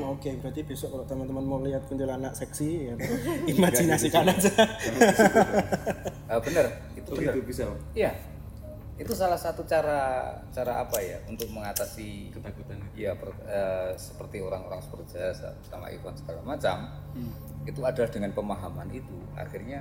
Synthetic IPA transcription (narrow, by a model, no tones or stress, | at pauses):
maokebat̪ib̥iasɔʔɔʔt̪əmant̪əmanmoliɦat̪̚kənd̪ulanaʔsɛksijaimad͡ʒinasikanad͡ʒa | əbənər | it̪ubiija | it̪usalahsat̪ut͡ʃaɾa | t͡ʃaɾaʔa̰paja̰unt̪ʊk̚məŋat̪asi | japərəsə̥pərt̪ioɾaŋo̰ɾaŋsə̥pərd͡ʒiasa̰səa̰ma̰ʔḭfansə̥ɡalamat͡ʃam | it̪uad̥alahd̥əŋanpəmaɦamanit̪u | a̰xirɲa